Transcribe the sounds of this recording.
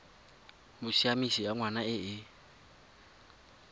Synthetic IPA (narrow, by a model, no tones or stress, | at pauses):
mʊʃiamisiaŋwanaɪɪ